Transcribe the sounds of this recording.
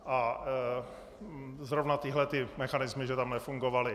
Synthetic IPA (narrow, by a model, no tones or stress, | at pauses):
ʔa | zɾovnat̪ɪɦlɛt̪ɪmɛxanɪzmɪʒɛt̪amnɛfuŋɡovalɪ